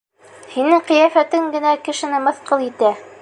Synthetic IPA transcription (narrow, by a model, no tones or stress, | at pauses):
hinɘqɤ̆jæfæt̪ɘŋɡɘ̆nækɘ̆ʃɘ̆nɘmɤ̆θqɤlˠit̪æ